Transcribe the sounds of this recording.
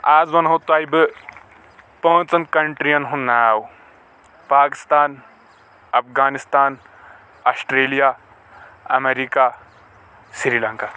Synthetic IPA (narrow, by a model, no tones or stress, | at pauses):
aːzʋɐnɦot̪ajbɨ | põːt͡sɐnkɐɳʈɾiɐnɦũnaːw | paːkɪ̥st̪aːn | ɐpʰɡaːnist̪aːn | ɐːsʈɾeːlija | ɐ̰meɾiːka | sɾiːlɐ̃ŋkaː